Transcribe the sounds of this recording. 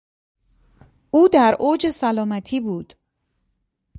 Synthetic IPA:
ʔuːd̪æɾoːd͡ʒesælɒːmæt̪ʰiːbuːd̪̥

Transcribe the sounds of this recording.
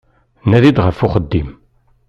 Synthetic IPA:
næðid̪ʁəfʊχəd̪ːim

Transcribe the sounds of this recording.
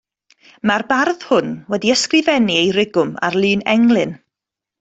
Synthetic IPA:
marbarð̥hʊnwɛdiəskrɨvɛniejrɪɡʊma̰rlˠɨːnɛ̰ŋlˠɨn

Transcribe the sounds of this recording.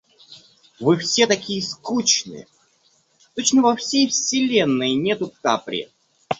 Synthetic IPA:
vɨfsʲet̪ɐkʲijəskut͡ɕnɨ̰jə | t̪ot͡ɕnəvɐfsʲejfsʲɪlʲenːəjnʲet̪ʊka̰pɾʲɪ̰

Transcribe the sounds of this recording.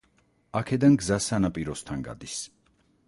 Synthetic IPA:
akʰɛd̪anɡzasanapʼiɾɔst̪ʰanɡa̰d̪is

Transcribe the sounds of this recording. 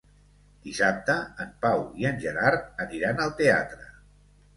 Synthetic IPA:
d̪̥isap̚t̪əːmpawiənʲʒəɾaɾəniɾanəlˠt̪ea̰t̪ɾə

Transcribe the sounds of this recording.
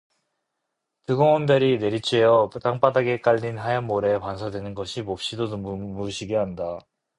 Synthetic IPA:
tɯɡoŋʌmbjʌɾine̞ɾit͡ɕʰejʌt͈aŋp͈adaɡe̞k͈aʎːinɦajʌnːoɾe̞pansʰadwenɯnɡʌɕʰimop̚ɕ͈idonmmuɕʰiɡeɦanda

